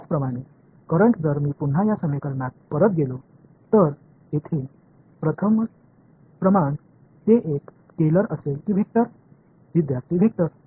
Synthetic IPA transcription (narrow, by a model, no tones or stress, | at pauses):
t͡spɾəmaɽ̃e | kəɾəɳʈd͡zəɾmiːpun̤ːajasəmekəɾɳat̪̚pəɾət̪̚ɡelo | t̪əɾ | et̪ʰe | pɾət̪ʰəm | pɾəmaɳ | t̪eʔekː | eləɾəselkiːbʱek̚t̪əɾ | ʋid̪jaɾt̪ʰiːbʱek̚t̪əɾ